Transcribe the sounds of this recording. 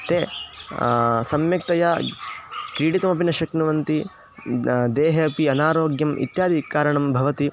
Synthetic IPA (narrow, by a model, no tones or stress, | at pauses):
t̪eː | sɐmjɐk̚t̪ɐjɐ | kɾiːɽit̪ɐmɐp̬inɐʃɐknuʋɐnt̪i | d̪eːɦɐpiɐnaːɾoːɡjɐmʔḭt̪jaːd̪ʱikaːɾɐɳɐmbʱɐʋɐt̪i